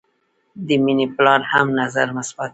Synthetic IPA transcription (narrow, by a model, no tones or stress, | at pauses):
d̪əminiplɑɾhamnazaɾmʊsbat̪̚